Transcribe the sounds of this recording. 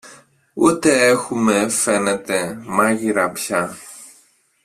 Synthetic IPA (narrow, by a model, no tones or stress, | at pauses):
wot̪ɛːxumɛfɛnɛt̪ɛmaɣiɾapça